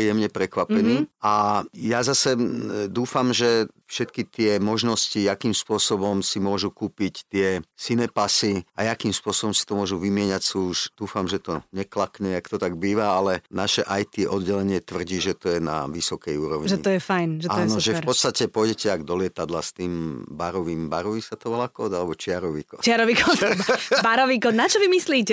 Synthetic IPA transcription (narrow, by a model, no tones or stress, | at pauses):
ijɛmɲɛpɾɛkʋapɛniːajazasɛd̪uːfamʒɛ | fʃɛt̪kit̪ɪɛmɔʒnɔsciakiːmspʊɔsɔbɔmsimʊɔʒukuːpict̪ɪɛsinɛpasiajakiːmspʊɔsɔbɔmsi̥t̪ɔmʊɔʒuʋimɪɛɲacsuːʃd̪̥uːfamʒɛt̪ɔɲɛklakɲɛakt̪ɔt̪aɡbiːʋaalɛnaʃɛʔajt̪iʔɔd̪ɟɛlɛɲɪɛt̪ʋr̩ɟiːʒɛt̪ɔjɛna̰ʋisɔkɛjuːɾɔʊɲʒɛiɔjɛfajnʒɛajɛnɔʒɛfɾɔt̪st̪acɛpɔjɟɛcɛaɡd̪ɔlɪɛt̪ad̪last̪iːmbaɾɔʋiːmbaɾɔʋisat̪ɔʋɛlakɔːd̪alɛbɔt͡ʃɪaɾɔʋḭːkɔ̰ːt͡ʃaɾɔʋiːkɔd̪baɾɔʋiːkɔːd̪nat͡ʃɔʋimisliːcɛ